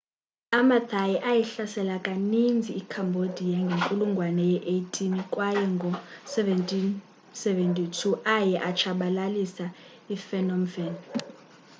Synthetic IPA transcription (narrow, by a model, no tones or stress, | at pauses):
amad̪ʰʱajɛʔajɛɬasɛlakʼanind͡zʱiːkʰambʱod̥ʱijaŋɡʱeŋkʼuluŋɡʱwanɛjɛʔejtʰʼinikʼwajɛŋɡʱɔsɛvɛntʼin | sɛvɛntʼitʰuʔajɛʔat͡ʃʰaɓalalisa | ifɛnɔmvɛn